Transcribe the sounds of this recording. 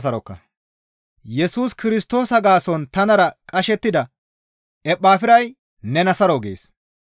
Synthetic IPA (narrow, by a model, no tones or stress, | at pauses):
s̬ɐɾɔkːɐ̰ | jɛsuːskɪɾɪst̪o̞ːsɐɡaːsɔnt̪ɐnɐɾɐkʼɐʃɛt̪ːɪd̪ɐ | ʔɛpʼːaːfɪɾɐj | nɛnɐsɐɾɔɡḛːs